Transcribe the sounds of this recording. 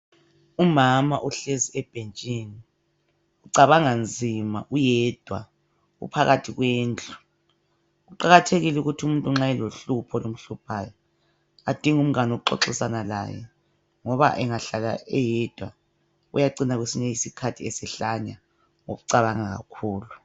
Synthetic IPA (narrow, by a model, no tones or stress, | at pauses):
umama̰ʔuɬeziɛb̥ʱent͡ʃʼini | uǀaβaŋand͡zʱimaʔujɛːd̥ʱwa | ɣṵpʰaɣatʰiɣweːnt͡ɬʼu̥ | ɣuǃaɣatʰeɣilɛuɣutʰumuntʼuŋ͡ǁajɛloɬupʰɔlom̩ɬupʰajɔ | ad̥ʱiŋum̩ɣanouǃɔ̰ǁisanala̰jɛ̰ | ŋɔβa̰ʔɛŋaɬala̰ʔɛjɛd̥ʱwa | ṵjaǀinaɣwesiɲɛjisikʰatʰiɛsɛɬaɲa | ŋoɣuǀaβaŋaɣa̰kʰuːlu